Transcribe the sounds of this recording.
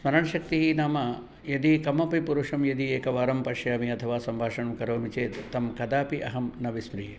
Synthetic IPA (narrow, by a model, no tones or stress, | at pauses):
smɐɾɐɳɐʃɐk̚t̪iɦinaːmɐ | jɐd̪ikɐmɐpipuɾuʂɐmjɐd̪ieːkɐʋaːɾɐmpɐʃjaːmiɐt̪ʰɐʋaːsɐmbʱaːʂɐɳɐmkɐɾoːmit͡ʃeːt̪t̪ːɐmkɐd̪aːpiʔɐɦɐmnɐʋispɾiː